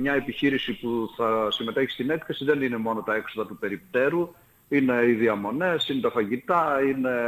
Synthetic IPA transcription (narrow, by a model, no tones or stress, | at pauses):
mɲɐe̞piçiɾisipuθɐsime̞t̪e̞çi̥st̪ine̞kθe̞siðe̞nine̞mo̞no̞t̪ɐe̞kso̞ðɐt̪upe̞ɾip̚t̪e̞ɾu | ine̞iðiɐmo̞ne̞sinet̪ɐfɐʝit̪ɐine̞